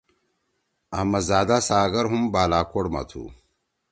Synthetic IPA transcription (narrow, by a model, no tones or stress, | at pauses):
ɐhmɐzaːd̪asaːɡɐɾɦumbaːlaːkoɽmɐ̰t̪ʰṵ